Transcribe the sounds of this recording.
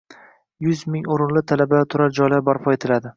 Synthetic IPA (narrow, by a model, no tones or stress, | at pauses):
jʊzmɪŋoɾɪnlɪt̪ʰalabat̪ʰʊɾaɾd͡ʒɒjlaɾbɒɾpʰɒe̞t̪ʰɪlad̪ɪ